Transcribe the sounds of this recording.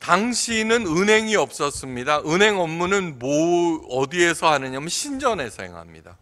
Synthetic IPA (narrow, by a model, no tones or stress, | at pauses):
taŋɕʰinɯnɯnɦe̞ŋiʌp̚s͈ʌs͈ɯmɲidaʔɯnɦe̞ŋʌmːunɯnmoʌdie̞sʰʌhanɯɲamjɯɕʰind͡ʑʌne̞sʰʌ̰ɦe̞̰ŋɦa̰mɲḭda̰